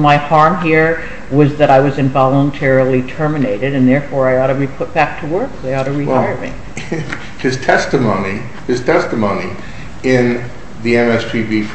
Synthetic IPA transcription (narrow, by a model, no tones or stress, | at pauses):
maɪhɑɹmɦiɹ | wʌzðɨɾaɪwʌzɨ̃ɱvɑlˠə̃ntʰɛɹl̩ˠitʰɜ˞mɨneɪɾɨɾɨ̃nðɛɹfɔɹaɪɔɾɨɹipʰʊt̚b̥æk̚tʰəwɜ˞kaɪɔɾɨɹitaɪə˞mḭ̃ | hɨz̥tʰɛstɨmõʊ̃ni | ɨz̥tʰɛstɨmõʊ̃ni | ɪ̃n | ðiɛ̃nɛstʰivif